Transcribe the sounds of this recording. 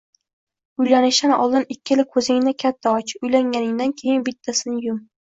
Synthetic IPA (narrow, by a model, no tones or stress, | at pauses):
ʊjlanɪʃanɒ̰lˠd̪ɪnɪkʲːɪlɪkʰɵzɪŋɪnakʲʰat̪ʰːaɒt͡ʃʰɪ̥ʊjlaŋʲanɪŋd̪ankʲʰejɪnbɪt̪ʰːasɪnɪjʊm